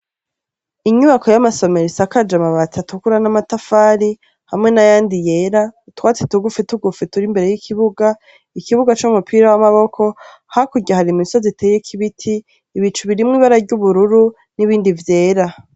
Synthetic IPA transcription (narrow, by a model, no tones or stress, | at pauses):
iɲuβako̞jamaso̞me̞ɾesakad͡ʒamaβatʰatukuɾanamatafaːɾi | hamŋe̞najaːndije̞ːɾautwaːt͡se̥tuɡufituɡufituɾimbe̞ɾe̞jikʰiβuɡa | ikiβuɡat͡ʃumupʰiːɾawamaβo̞kʰo̞ | hakuɟaɦaɾimiso̞zitʰeːje̞kʰiβitʰiː | βit͡ʃuβiɾimŋiːβaɾaɾɟuβuɾuɾu | niβiːndivje̞ːɾa